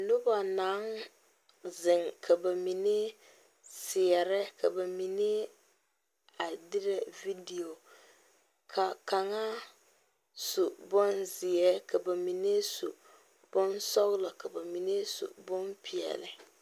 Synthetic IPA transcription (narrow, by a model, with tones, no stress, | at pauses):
nʊ˦ba˨naː˨˦ŋ | zɪ˨ŋkʰa˨ba˨mi˨ne˦ | sɪ˨ɛ˨ɾɛ˦kʰa˨ba˨mi˨ne˦ | a˨dɪ˦ɾɛ˨vi˦di˨o˨ | kʰa˨ka˨ŋa˦ | su˨bɔ˦nzɪ˨ɛ˦kʰa˨ba˨mi˨ne˦sṵ˨ | b̥ɔ˦nsɔ˦ɣlɔ˨ka˨ba˨mi˨ne˦sṵ˨bɔ˦mpʰi˨ɛ̰˨lɪ˨